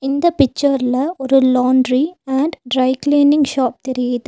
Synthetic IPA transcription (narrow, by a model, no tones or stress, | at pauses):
ɪnd̪ɐpɪt͡ʃːɐɾɪlɐɔɾɯlaːɳɖɾiɐɳɖɖɾɐɪkleːnɪŋɡʃaːp̚t̪ɛɾɪjɐðɯ